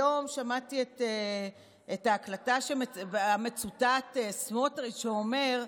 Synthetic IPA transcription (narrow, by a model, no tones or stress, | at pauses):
o̞mʃamatiete | etaːklataʃemeame̞t͡sutatesmotʁitʃeome̞ʁ